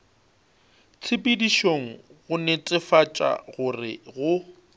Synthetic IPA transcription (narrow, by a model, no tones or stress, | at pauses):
t͡sʰɪpʼɪdiʃoŋ̩ɣʊnet͡sʼɪfat͡ʃʼa̰ɣʊrɪ̰ɣʊ